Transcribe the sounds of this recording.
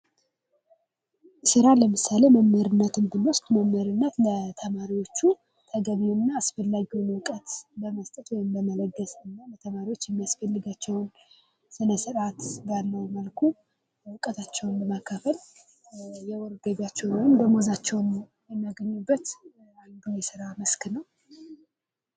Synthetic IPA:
sɨɾaləmɨsaleməmːəɾɨnːət̪ɨnd̪ɨnost̪ʼməmːəɾɨnːət̪lət̪ʰəmaɾiwo̞t͡ʃːu | t̪ʰəɡəβwɨnːaːsfəlːaɡiwnwɨkʼət̪bəməst̪ʼət̪wɔjɪmbəmələɡːəsɨnːalət̪ʰəmaɾiwo̞t͡ʃːjɛmːijasfəlːɨɡat͡ʃːɛwn | sɨnəsɨɾat̪d̪alːəwməlkʰu | wɨkʼət̪ʰat͡ʃːɛwnbəmakʰːəfəl | jɛwɔɾɡəβjat͡ʃːɛwnjɨmbəmozat͡ʃːɛwnm | jɛmːjaɡəɲːubːət̪ | ajnd̪ujɛsɨɾamɨsknəw

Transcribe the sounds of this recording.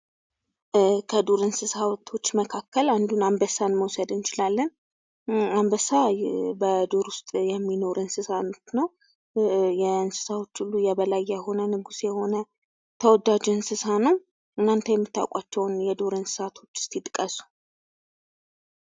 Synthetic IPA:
kʰəd̪oɾɨnsɨsat̪ʰo̞t͡ʃːməkʰakːəland̪unambəsanməwsəd̪ɨnt͡ʃɪlalːən | ambəsabəd̪oɾwʊst̪ʼjɛmːino̞ɾʔɨnsɨsanot͡ʃnəw | jɛɨnsɨ̥sawo̞t͡ʃːulːujɛβəlajːɛho̞nənɨɡusjɛho̞nə | t̪ʰəwɔd̪ad͡ʒɛɨnsɨsanəw | ɨnːant̪ʰəjɛmːɨt̪ːa̰wkʷʼat͡ʃːɛwnjɛd̪oɾɨnsɨ̥sat̪ʰo̞t͡ʃːɪ̥st̪it̪ʼkʼəsu̥

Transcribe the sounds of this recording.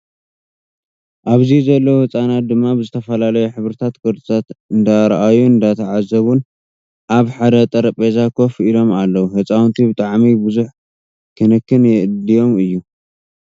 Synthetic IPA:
ʔaβzizɐlːɐwhɨt͡sʼanat̪̚d̪ɨmːabzɨt̪ʰɐfɐlalɐjuħɨβɾɨt̪ʰat̪ɡɨɾt͡sʼɨt̪ʰat̪ɨnd̪aɾʔajuɨnd̪at̪ʰɐʕazːɐβun | ʔaβħad̪ɐt̪ʼɐɾɐpʼezakʰo̞filo̞malːɐwuhɨt͡sʼawnt̪ʰibɨt̪ʼaʕmibɨzuħ | kʰɨnɨkːɨnjɛʔɨd̪ijo̞mɨjːu

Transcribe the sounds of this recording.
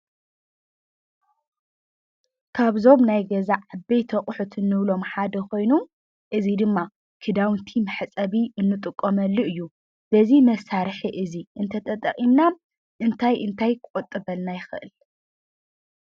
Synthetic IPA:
kʰaβzo̞βnajɡɐzaʔabejt̪ʰɐχʼħut̪ʰɨnːɨβlo̞mħad̪ɐkʰo̞jnu | ʔɨzid̪ɨmːa | kʰɨd̪awnt̪ʰimɨħt͡sʼɐβiɨnːɨt̪ʼɨkʼːomɐlːuɨjːu | b̥ɐzimɐsaɾħiʔɨziʔɨnt̪ʰɐt̪ʰʼɐt̪ʼɐkʼimna | ʔɨnt̪ʰajʔɨnt̪ʰajkkʼot̪ʼːɨβɐlnajɪxɨʔɨ̰l

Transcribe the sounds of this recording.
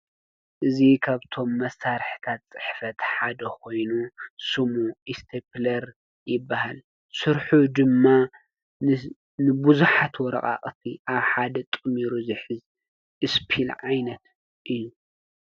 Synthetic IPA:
ʔɨzikʰaβt̪ʰo̞mːɐsːaɾħt̪ʰat̪̚t͡sʼɨ̥ħfɐt̪ħad̪ɐkʰo̞jnusɨmuist̪ʰeplɐɾ | jɪbːahal | sɨɾħud̪ɨmːa | nɨbuzuħat̪wɔɾɐ̰kʼa̰χʼt̪ʰiʔaβħad̪ɐt̪ʼɨmiɾuzɨħɨz | ʔɨspʰilʕajnɐt̪ | ʔɨjːu

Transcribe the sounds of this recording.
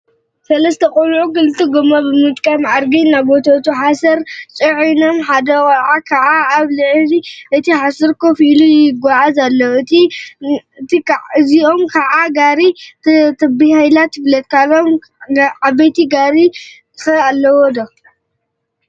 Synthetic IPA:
sɐlɐst̪ʰɐkʼolʕuɡɨlt̪ʼiɡomobɨmɨt̪ʼkʼɐmaɾɡinabot̪ʰat̪ʰuħasɐɾt͡sʼɨʕinomħad̪ɐwaʕakʰaʕaaβlɨʕziʔɨt̪ʰiħasɐɾkʰofilujɪɡʷaʕazalːɐwɨt̪i | ɨt̪ʰiɨziʔo̞mkʰaʕaɡaɾit̪t̪ʰɐbihajlat̪ʰɨβlɐt̪̚kʰalom | abɐjt̪ʰiɡaɾi | ɨxɐalːɐwod̪ɐ

